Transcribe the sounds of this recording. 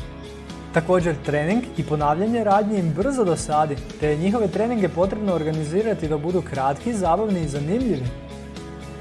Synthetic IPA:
t̪ako̞ːd͡ʑe̞ɾt̪ɾe̞niŋɡipo̞naːʋʎaɲeɾaːd̪ɲeimbr̩zod̪o̞saːd̪it̪e̞jeɲixo̞ʋe̞t̪ɾe̞ːniŋɡe̞po̞t̪ɾe̞bno̞ːɾɡaniziːɾat̪id̪abud̪ukɾat̪kizaːbaʋniːzanimʎiʋi

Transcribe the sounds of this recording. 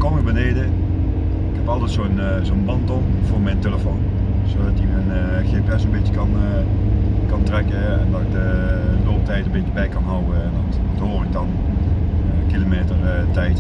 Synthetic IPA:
komibənejdə | ɪkhɛpɑlˠtɛtsoən | zonbɑntom | vʊːɹmɛjnteləfon | zoːdɑtimɛn | xeːpɛsonbɪtəkɑn | kɑntrɛkəɛ̰ndɑtɪɡ̚dəloːp̚tɛjtənbɪəbɛjkɑnɦɑwəɛndɑt | thoːrɪk̚dɑn | əkilomeːtərtɛjt

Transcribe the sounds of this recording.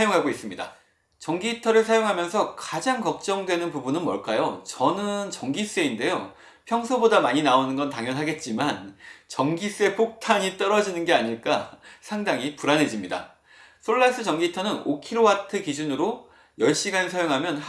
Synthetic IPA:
joŋɦaɡois͈ɯmɲida̰ | t͡ɕʌŋɡitʰʌɾɯɭs̬ʰajoŋɦamjʌnsʰʌkad͡ʑaŋkʌk̚t͡ɕ͈ʌŋdwe̞nɯnpubunɯnmʌɭk͈ajot͡ɕʌnɯnt͡ɕʌŋɡis͈e̞inde̞jo | pʰjʌŋsʰobodamaɲinaonɯnɡʌntaŋjʌnɦaɡe̞t̚t͡ɕ͈imant͡ɕʌŋɡis͈e̞pʰok̚tʰaɲit͈ʌɾʌd͡ʑinɯnɡe̞aɲiɭk͈asʰaŋdaŋipuɾanɦe̞d͡ʑimɲida̰ | sʰoɭːas͈ɯt͡ɕʌŋɡitʰʌnɯnokʰiɾowatʰɯkid͡ʑunɯɾo | jʌɭɕ͈iɡanɯsʰajoŋɦamjʌn

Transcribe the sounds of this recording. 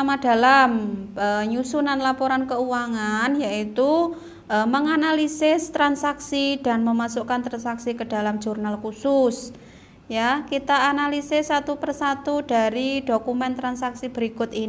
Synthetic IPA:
amad̥alaməɲusunanlapɔɾankəuwaŋanjaʔit̪u | əməŋanalisɪst̪ɾansaksid̥a̤nməmasukant̪ɾansaksikəd̥a̤lamd͡ʒurnalkusus | jakit̪aːnalisɪsːat̪upərsat̪ud̥a̤ɾidokumɛnt̪ɾansaksib̥əɾikʊt̪i

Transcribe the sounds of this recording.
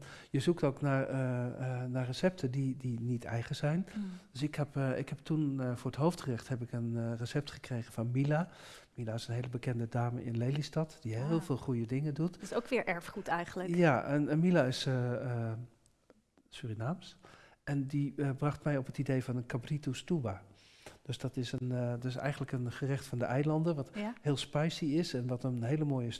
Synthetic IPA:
jəzuktoːknaːr | narəsɛp̚tʰədidinitʰɛ̰jχəz̥ɛjndøsɪkhɛpɪ̰khɛp̚tʰunfʊːɹətɦowftrɪχthɛp̬ɪkənrəsɛp̚tχə̥krejɣənvɑnmila | milaɪsənɦejləbəkɛndədaːməʔɪ̰nlejlistɑtd̥iɪlˠvɪːlˠχujədɪŋədutsowkʋɪːɹʔɛɹfχutɛjχənləjaɛnmilaɪs | syrinaːms | ɛndibrɑχtmɛjɔpətidejvɑnənkabritustuba | d̥øsdɑtɪsəndɔtɪsɛ̰jχəndləkənχərɪχtfɑndəʔɛjlɑndənʋɑthɪːlˠspɛjsiɪsɛnʋɑtənənɦejləmoːjə

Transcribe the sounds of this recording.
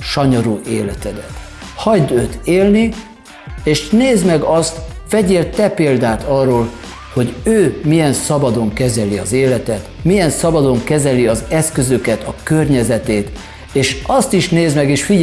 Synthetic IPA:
ʃɒɲoɾuːʔeːlɛt̪ɛd̪ɛt̪hɒjd̪øːt̪ʰeːlni | eːʃneːzmɛɡɒst̪fɛɟeːlt̪ɛpeːld̪aːt̪ɒrːoːl | ho̞ɟøːmijɛnsɒbɒd̪o̞ŋkɛzɛliɒzeːlɛt̪ɛt̪mijɛnsɒbɒd̪o̞ŋkɛzɛliɒzɛskø̞zø̞kɛt̪ɒkørɲɛzɛt̪eːt̪ | eːʃɒst̪iʃneːzmɛɡeːʃfi

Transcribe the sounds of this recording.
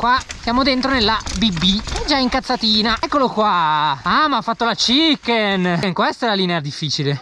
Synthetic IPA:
kwasjaːmod̪ent̪ɾonelːabibːiɛd͡ʒaiŋkat̪sːat̪iːnaɛkːolokwaamafːat̪ːolat͡ʃikːenŋkwɛst̪ɛlaliːnead̪ifːiːt͡ʃile

